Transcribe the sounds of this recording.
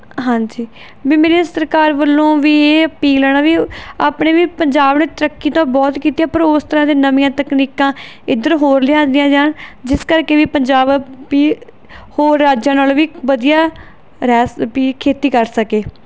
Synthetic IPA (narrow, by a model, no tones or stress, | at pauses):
ɦãːd͡ʒiː | biːmeːɾeːsəɾkaːɾʋəlːõːʋiːeːəpiːləːɽaːʋiːaːpɳeːʋiːpəɲd͡ʒaːbneːt̪əɾəkːiːt̪õːbɔːt̪kiːt̪ijaːpəɾoːst̪əɾãːd̪eːnəmɪjãːt̪əkniːkãː | ɪd̪əɾɦoːɾlɪãːnd̪ɪjãːd͡ʒaːnd͡ʒɪskəɾkeːʋiːpəɲd͡ʒaːbʋiː | hoːɾːaːd͡ʒãːnaːlʋiːʋəd̪ijaː | ɾɛːspiːkʰeːt̪iːkəɾsəkeː